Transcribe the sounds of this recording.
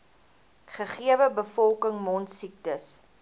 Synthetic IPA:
χəχiəvəbəfɔlˠkəŋmɔntsik̚təs

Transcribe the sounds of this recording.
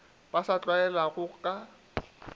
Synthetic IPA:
b̥asat͡ɬʼwaɛlaɣʊkʼa

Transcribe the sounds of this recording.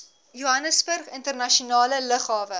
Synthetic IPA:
juɦɐnəsbərχəntərnɐʃiunɑːlələχɑːvə

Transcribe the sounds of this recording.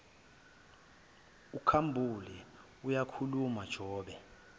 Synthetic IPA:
ukʰambʱulɛ | ujakʰulumad̥ʒ̥ʱɔːɓɛ

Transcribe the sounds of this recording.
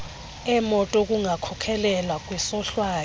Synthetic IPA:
ɛmɔtʼok̬ʼuŋakʰɔkʰɛlɛlwak̬ʼwɛsɔɬwaː

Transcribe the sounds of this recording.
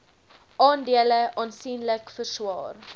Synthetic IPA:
ɑːndiələʔɑːnsiːnləkfərswɑːr

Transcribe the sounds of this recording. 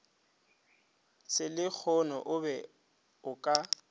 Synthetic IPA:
sɪlɪk͡xʰɔnɔ̰ʔʊbɛ | ʊkʼa

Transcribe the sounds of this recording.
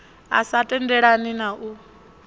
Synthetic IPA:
a̰satʼɛndɛɺaninaʔu

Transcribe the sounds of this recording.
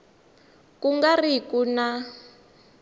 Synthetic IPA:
kuŋɡarikuna

